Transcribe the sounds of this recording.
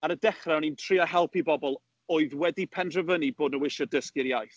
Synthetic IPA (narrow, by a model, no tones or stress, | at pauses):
aɾədɛχraɔnintʰriahɦɛlˠpʰibɔbɔlˠ | ɔɨðwɛdipʰɛndrəvəniboːdnəwɪʃɔdəskiɾjajθ